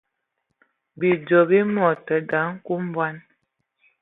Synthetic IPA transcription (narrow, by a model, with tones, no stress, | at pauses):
bi˨d͡ʒɔ˨bi˦mɔ˨tə˨da˨˦ŋ̩˦ku˦m˦bwa˦n